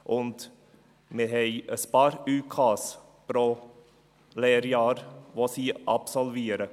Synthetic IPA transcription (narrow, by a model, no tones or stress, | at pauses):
ʔɔnt̪ | meɦɛɪspɑːɾʉːkʰɑːs | pɾo | leːɾjɑːɾʋoːsiːʔɑpsɔlʋeːɾə